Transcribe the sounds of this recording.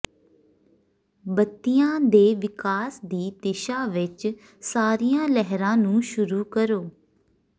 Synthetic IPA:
bət̪ːijãːd̪eːʋɪkaːsd̪iːd̪eːʃaːʋɪt͡ʃ | saːɾiːjãːlɛɦɾãːnũːʃʊɾuːkəɾoː

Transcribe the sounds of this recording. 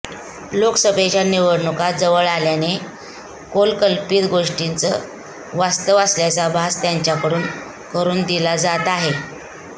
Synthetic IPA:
loksəbʱet͡ɕjaniʋəɾɳəkad͡zəʋəɭaljane | kolkəlpiːt̪ɡoʂʈint͡sə̰ | ʋast̪əʋasljat͡sabʱast̪jaɲt͡ɕjakəɽuːn | kəɾuːnd̪ilad͡zat̪aɦe

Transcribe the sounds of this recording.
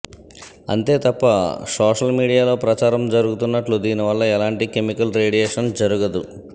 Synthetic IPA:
ɐ̰nt̪e̞ːt̪ɐpːɐsoːʂɐlmiːɽijaːlo̞ːpɾɐt͡ʃaːɾɐmd͡ʒɐɾuɡut̪unːɐʈlud̪iːniʋɐlːɐɛlaːɳʈike̞mikɐlɾeːɽijɛːʂɐnd͡ʒɐɾuɡɐd̪u

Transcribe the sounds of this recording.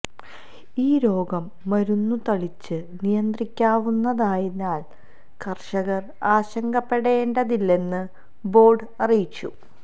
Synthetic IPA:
iːɾo̞ːɡɐmːɐɾunːut̪ɐɭit͡ɕːɨnijɐnd̪rikʲːaːʋunːɐðaːjinːaːl | kɐrɕɐɣɐr | aːɕɐŋɡɐpːe̞ɽeːɳɖɐðilːe̞nːɨ | bo̞ːɖɨɐrijit͡ɕːu

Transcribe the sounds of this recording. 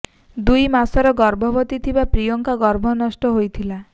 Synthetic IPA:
d̪ujmasɔɾɔɡɔɾbʱɔbɔt̪it̪ʰibapɾijɔŋkaɡɔɾbʱɔnɔsʈɔɦojt̪ʰila

